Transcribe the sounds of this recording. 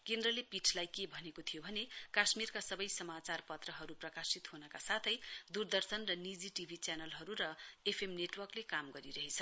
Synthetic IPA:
kend̪rʌlepit͡sʰlajkebʱʌnekot̪ʰijobʱʌnekasmirkasʌbʌjsʌmat͡sarpʌt̪rʌɦʌɾuprʌkasit̪hunʌkasat̪ʰʌjd̪urd̪ʌrsʌnrʌnid͡ziʈibʱit͡sjanʌlɦʌɾuɾʌepʰemneʈwʌrklekamɡʌɾiɾʌɦet͡sʰʌ

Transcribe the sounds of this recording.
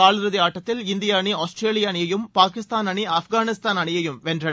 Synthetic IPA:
aːlɾɐðɪaːʈːɐt̪ːɪlɪnd̪ɪjaːɳiaːsʈɾeːlɪjɐːnɪjɐjɯmpaːkɪst̪aːnɐɳiɐfɡaːnɪst̪aːnɐɳɪjɐjɯmʋɛndrɐn

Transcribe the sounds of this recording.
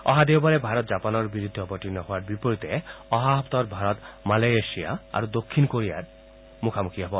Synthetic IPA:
ɔ̰ɦad̪ewbaɾebʱaɾɔt̪̚d͡ʒapanɔɾbiɾud̪ʱːeɔbɔʈinːɔɦɔaɾbipoɾit̪eɔɦaɦɔpt̪ɔɾbʱaɾɔt̪malajeʃia̰a̰ɾod̪okʰːinkoɾia̰ɾ | mukʰamukiɔbɔ

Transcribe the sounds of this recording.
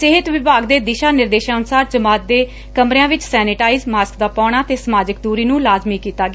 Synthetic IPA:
seɦɪt̪ʋɪbʱaːɡd̪eːd̪ɪʃaːnɪɾd̪eːʃãːʊnsaːɾt͡ʃəmaːt̪̚d̪eː | kəmɾejãːʋɪt͡ʃsɛːnɪʈaːiːzmaːskd̪aːpɔːɽ̃aːt̪eːsəmaːd͡ʒɪk̚d̪uːɾiːnũːlaːzmiːkiːt̪aːɡ

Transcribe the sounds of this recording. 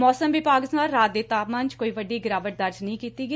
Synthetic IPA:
mɔːsəmbiːpaːkɪst̪aːnɾaːt̪̚d̪eːt̪aːpmãːnt͡ʃkoːiːʋəɖiːɡɪɾaːʋəʈ̚d̪ɐɾd͡ʒnəɦĩːkiːt̪iːɡiː

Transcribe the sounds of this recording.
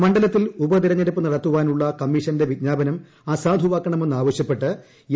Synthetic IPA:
mɐɳɖɐlɐt̪ːilubɐd̪iɾɐɲːɐɾupːɨnirɐt̪ːuʋaːnuɭːɐkɐmːiʂɐnde̞ʋid̪̚ɲaːbɐnɐm | aːsaːd̪ʱuʋaːkːɐɳɐme̞nːaːʋɐɕjɐpːe̞ʈːɨ

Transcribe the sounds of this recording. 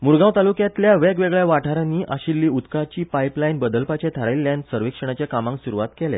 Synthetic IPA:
muɾɡãwt̪alukjãt̪ljaʋɛɡʋeɡɭjaʋaʈʰaɾaniːʔaɕilːiːut̪kat͡ɕiːpajplajnbəd̪əlpat͡ɕet̪ʰaɾailːjãnsəɾʋikʂəɳ̃at͡ɕjakamãŋksuɾuʋat̪kɛlḛ

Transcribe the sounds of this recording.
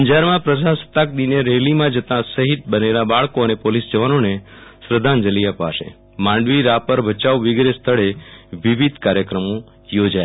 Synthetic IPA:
əɲd͡ʒaɾmãpɾəsasə̥t̪ak̚d̪ineɾelimãd͡ʒət̪ãsəɦit̪̚bənelabaɭkoənepolisd͡ʒəʋanonesɾəd̪ʱand͡ʒəliəpa̰ʃḛ | mãɳɖʋiɾapəɾbʱət͡ʃaʋʋɪɡɾest̪ʰəɭeʋiʋid̪ʱkaɾjəkɾəmo | jod͡ʒaj

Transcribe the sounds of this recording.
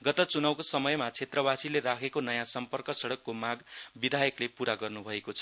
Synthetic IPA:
ɡʌt̪ʌt͡sunʌwkosʌmʌjmat͡sʰet̪rʌbasilerakʰekonʌjãsʌmpʌrkʌsʌɽʌkːomaɡbid̪ʱajʌklepuɾaɡʌrnubʱʌekot͡sʰʌ̥

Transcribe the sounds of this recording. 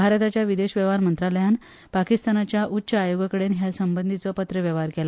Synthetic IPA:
bʱaɾt̪at͡ɕjaʋid̪eɕʋəʋaɾmənt̪ɾaləjan | pakist̪anat͡ɕjaʔutːɕəajoɡəkəɽenɦjasəmbənd̪ʱit͡sɔpət̪ɾəʋjəʋɦaɾkela

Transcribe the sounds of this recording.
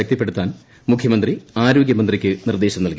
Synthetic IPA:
ɐk̚t̪ɐpːe̞ɽut̪ːaːn | mukʰjɐmɐnd̪riaːɾoːɡjɐmɐnd̪rikʲːɨnird̪e̞ːɕɐmnɐlki

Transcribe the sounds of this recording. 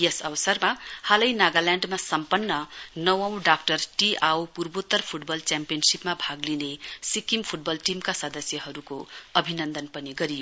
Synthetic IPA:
jesʌbʌsʌrmahalʌjnaɡalaɳɖmasʌmpʌnːʌnʌwʌ̃w̃ɖakʈʌrʈiʔawpurbot̪ːʌrpʰuʈbʌlt͡sampijʌnsipmabʱaɡlinesikimpʰuʈ̚bʌlʈimkasʌd̪ʌsjʌɦʌɾukoʌbʱinʌnd̪ʌnpʌniɡʌɾijo

